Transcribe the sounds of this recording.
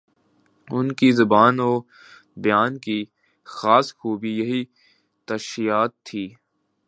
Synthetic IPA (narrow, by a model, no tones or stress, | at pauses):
ʊnkizɐbaːnoː | bɪjaːnki | xaːsxuːbijɐɦi | t̪ɐʃijaːt̪ʰːiː